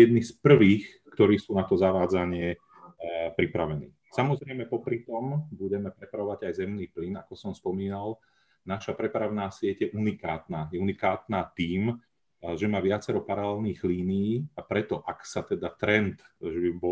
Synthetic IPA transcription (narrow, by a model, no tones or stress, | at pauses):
jɛd̪nispr̩ʋiːx | kt̪ɔɾiːsuːnat̪ɔzaʋaːd͡zaɲɪɛ | pɾipɾaʋɛnḭːsamɔzɾɛjmɛpɔpɾit̪ɔmbuɟɛmɛpɾɛpɾaʋɔʋaɟajzɛmniːplinakɔsɔmspɔmiːnal | naʃapɾɛpɾaʋʊnaːsɪɛɟjɛʔunikaːt̪naːjɛunikaːt̪naːt̪iːm | ʒɛmaːʋɪat͡sɛɾɔpaɾalɛlniːɣliːnijiːapɾɛt̪ɔʔaksat̪ɛd̪at̪ɾɛnt̪ʒɛbibɔ